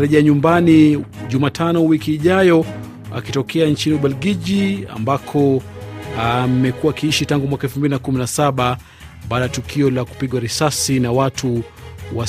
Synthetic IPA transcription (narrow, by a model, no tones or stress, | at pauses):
ɾɛʄɛaɲumbaniʄumatʰanɔwikiːʄajɔ | a̰kitɔkɛant͡ʃiniuɓalɡiʄia̰mbakʰɔ | am̩mɛkuaːkiiʃitaŋɡumwakaɛlfumbilinakuminasaɓa | ɓaːɗaatukʰiɔlaku̥piɠwaɾisasinawatʰuwa